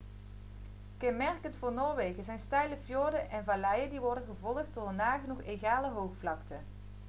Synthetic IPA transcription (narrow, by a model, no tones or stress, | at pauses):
kɛnmɛɹkəntfʊːɹnoːɹʋejɣəzɛjnstɛjləfjoːɹdənʔɛnvaːlɛjəndiʋɔɹdənɣəvɔlˠəχt̚doːdənaːɣənuχeɣaːləɦowxflɑktə